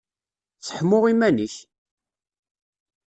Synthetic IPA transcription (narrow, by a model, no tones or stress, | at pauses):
t͡sːə̥ħmʊʁimæniç